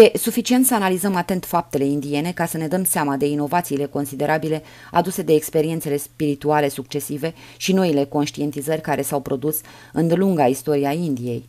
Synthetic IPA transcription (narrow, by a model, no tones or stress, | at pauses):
je̞sufit͡ʃient̪səanalizəmat̪e̞nt̪fap̚t̪e̞le̞ind̪ie̞ne̞kasəne̞d̪əmseamad̪e̞ino̞vat̪siːle̞ko̞nsid̪e̞ɾʔabile̞ | a̰d̪use̞d̪e̞ːkspe̞ɾiet̪sele̞spiɾit̪uale̞suk̚t͡ʃe̞sive̞ | ʃino̞ile̞ko̞nʃt̪ie̞nt̪izərʲkaɾe̞sawpɾo̞d̪us | ɨnd̪eluŋɡaist̪o̞ɾiaind̪ije̞j